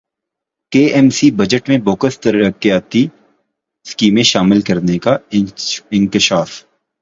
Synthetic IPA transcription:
keːʔɛmsibɐd͡ʒəʈmẽboːkəst̪ɐɾəkijaːt̪i | skiːmẽʃaːmɪlkɐɾneka | ɪ̃ŋkɪʃaːf

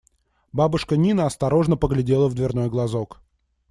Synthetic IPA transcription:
babʊʂkənʲinəɐst̪ɐɾo̞ʐnəpəɡlʲɪdʲe̞lˠəvd̪vʲɪrno̞jɡlˠɐzok

